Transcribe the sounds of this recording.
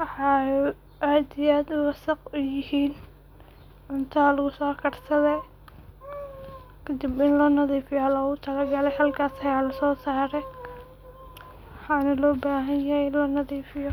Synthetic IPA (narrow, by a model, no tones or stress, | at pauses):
wɑħɑ | ʔaːd̪ɪjaːd̪ʊwɑsɐqʊjɪhiːn | ʕʊnt̪ʰalɐɣʊsɔːkʰɐrsɐðɛ | kʰɐd̪ɪbɪnlɐnɐðiːfɪjɔlɐɣʊt̪ʰɐlɐɡɐlɛjhɐlkʰaːsɐjaːlɐsɔːsaːɾɛj | wħɑːnɐlɔːbaːɦɐnjɐhɛlɐnɐðiːfɪjɔ